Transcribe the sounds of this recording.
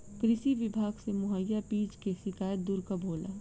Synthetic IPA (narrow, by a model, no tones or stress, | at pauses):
kɾɪʃiʋɪbʱaːɡsemʊɦəjːapiːd͡ʒkeʃɪkaːjət̪̚d̪uɾkabʱoːla̰ː